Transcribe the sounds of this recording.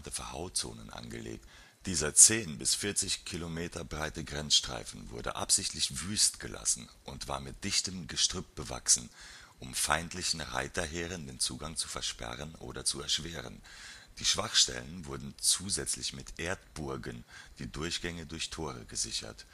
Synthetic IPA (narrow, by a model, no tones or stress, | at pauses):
təfɛɐha̰ʊt͡so̰ːnənʔa̰nɡə̰lḛːk̚t | d̥iːzɐt͡seːnbɪsfɪɐt͡sɪçkʰilomeːtɐbʁaɪtəɡʁɛnsʃtʁ̥a̰ɪfn̩vʊ̰ɐdə̰ʔa̰pz̥ɪçtʰlɪçvyːstɡ̥əlʔa̰sn̩ | ʔʊntv̥a̰ːɐmɪt̚d̥ɪçtəmɡəʃtʁ̥ʏp̚b̥əva̰ksn̩ | ʔʊmfaɪntʰlɪçn̩ʁa̰ɪtɐɦeːʁəndeːnt͡suːɡaŋt͡su̥fɛɐʃpɛ̰ʁ̞ənʔo̰ːdɐt͡suɛɐʃv̥eːʁ̞ə̰nd̥iːʃv̥aχʃtɛ̰lənvʊɐdn̩t͡suːzɛt͡slɪçmɪtʔeːɐtb̥ʊɐɡənd̥iːdʊɐçɡ̥ɛŋədʊɐçtʰoːʁə̰ɡəzɪçɐ̰t